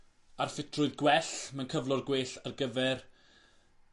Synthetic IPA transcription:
arfɪtʰrʊɨðɡwɛɬmankʰəvlˠɔrɡweːɬarɡəvɛr

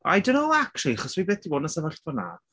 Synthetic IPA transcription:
a̰jdonoakʰriaχɔswibɛːd̥iwɔːnəsəvaɬtɔna̰

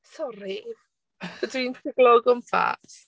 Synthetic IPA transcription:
sɔɾi | dwintʰɪɡ̥lˠɔɡəmfa̰s

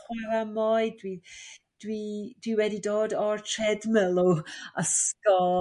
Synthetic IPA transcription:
χwaɾamɔɨdwi | d̥wid̥wiwɛdidoːdɔrtʰrɛdmɛlˠuəskɔ

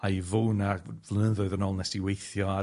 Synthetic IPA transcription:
aivuːnavlˠənəðʊɨðənɔlˠnɛsd̥iwejθjɔa

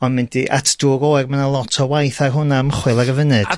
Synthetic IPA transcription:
ɔnmɪndiʔa̰tʰd̥ʊɾoːɛrmanalˠɔtʰɔwajθarɦʊnaməχwɨlˠaɾəvənɨd̥

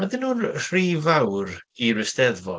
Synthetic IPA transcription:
maðɪnuːnr̥riːvawɾirɪstɛðvɔ̰

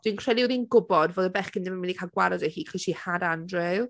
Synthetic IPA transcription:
d̥winkʰr̥ɛlˠiwɾinɡʊbɔdvoːðəbɛχkɪndɪmamindikʰalˠɡwaɾɔdɛhiːkʰiʃihadandrɛwˠ

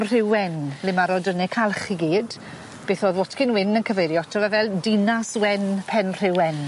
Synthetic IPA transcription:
r̥ɪwɛnlɪmaɾɔdənɛkʰalˠχiɡiːd | b̥eːθoːðwɔtʰkɪnwɪnənkʰəvejɾjɔtʰrɔvavɛlˠdinaswɛnpʰɛnr̥ɪwɛn

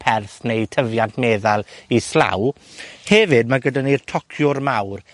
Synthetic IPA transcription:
pʰɛrθnejtʰəvjantʰmeːðalˠisla̰w | hɛvɨd̚maɡədanirtʰɔkʰjʊrmawr

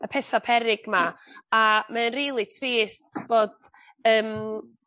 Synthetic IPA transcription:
əpʰɛθapʰɛɾɪɡ̥maamaənriːlˠitʰriːstʰb̥oːd̥ | əːm

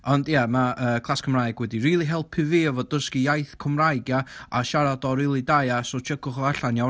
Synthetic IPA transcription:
ɔndjamaʔəːkʰlˠaskʰəmrajɡ̥wɛdiriːlˠiɦɛlˠpʰɪviəvɔdəskijajθkʰɔmrajɡjaaʃaɾadɔɾiːlˠidajasɔt͡ʃʰəkʰʊχɔaɬanja

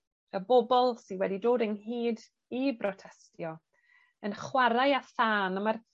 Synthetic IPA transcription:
əbɔbɔlˠsinwɛdidoːdənɦiːd | ibrɔtʰɛstjɔ | ənχwaɾajaθaːnəmar

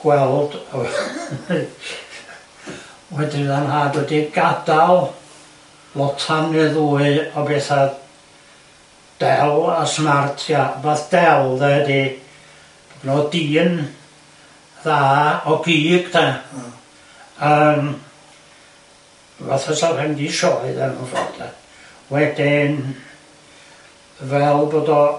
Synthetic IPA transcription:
ɡ̥wɛlˠd̥ɔ | wɛdɪðanhaːdwɛdiɡadalˠ | lˠɔtʰamnɨðuːɨɔbɛːθa | d̥ɛlasmartʰjavaθd̥ɛlˠðɛhədi | b̥odnɔdiːn | ðaːɔbʰiːɡ̥dɛ | əːm | va̰θasarhɛmdiʃɔɨðɛnṵfɛ̰ldɛ | wɛdɪn | vɛlˠboːdɔ

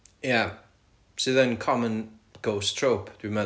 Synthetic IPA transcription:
jæ | soðɛ̃nkʰɔmə̃nɡ̥oʊstʰɹ̥oʊpimɛ

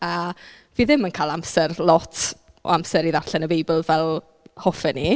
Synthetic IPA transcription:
ə | viːðɪmənkʰaːlˠamsɛrlˠɔtʰ | ɔ̰amsɛɾiðar̥ɬɛnəbejbɪlˠvɛlˠ | hɔfɛni

